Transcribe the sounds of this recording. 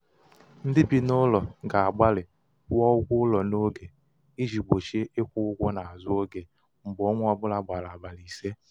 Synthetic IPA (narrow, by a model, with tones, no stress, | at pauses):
n̩˦dɪ˦bi˦nʊ˦lɔ˨ɡa˨a˨ɡ͡ba˦lɪ˨ | wɔ˦ʊ˦ɡʷʊ˦ʊ˦lɔ˨no˦ɡe˨ | i˦ʒi˨ɡ͡bo˨ʃe˦ʔɪ˦kʷʊ˦ʊ˦ɡʷɔ˦na˨a˨zʊ˦o˦ɡe˨ | m̩˨bɔ˦ŋʷ˦ɔ˦bʊ˦la˨ɡ͡ba˨la˨ba˨li˨se˦